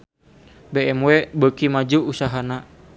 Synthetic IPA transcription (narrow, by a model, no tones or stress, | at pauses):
beɛmwɛbəkimad͡ʒuːsaɦana